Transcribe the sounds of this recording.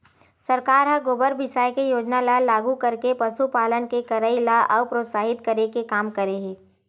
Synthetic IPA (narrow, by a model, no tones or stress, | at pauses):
sɐɾkaːɾɦãɡoːbəɾbɪʃaːjkejoːd͡ʒnalalaːɡukɐɾkepɐʃupaːlənkekɐɾaːilaʔɔːpɾoːt̪saːɦɪt̪kɐɾekekaːmkəɾeɦeː